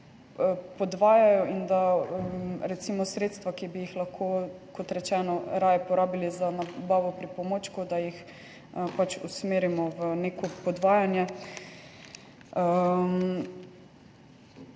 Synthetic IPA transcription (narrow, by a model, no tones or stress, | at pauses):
pɔd̪ʋaːjajɔind̪aəɾɛt̪simɔsɾeːt̪st̪ʋakibijixlaxkʰokot̪ɾɛt͡ʃɛːnɔɾaːjɛpɔɾaːbilizanabaːʋɔpɾipɔmot͡ʃkod̪ajix | əpat͡ʃusmeːɾimɔʋənekɔpɔd̪ʋaːjanjɛ | əm